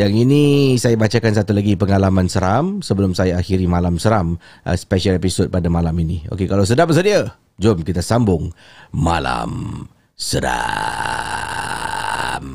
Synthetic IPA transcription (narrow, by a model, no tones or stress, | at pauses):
jaŋinisajabat͡ʃakansat̪ulaɡipəŋalamãnsəɾamsəbəlʊmsajaaxiɾimalamsəɾamʔə̰spɛʃalepisod̚padamalaminio̰kekalaws̬ədapbəs̬ədia | d͡ʒomkit̪asambʊŋː | a̰la̰m | səda̰ | m